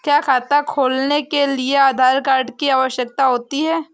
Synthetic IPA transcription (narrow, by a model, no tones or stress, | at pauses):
kjaːkʰaːt̪akʰoːlnekelieaːd̪ʱaːɾkaːɾɖkiaːʋəʃjək̚t̪aɦoːt̪iɦɛː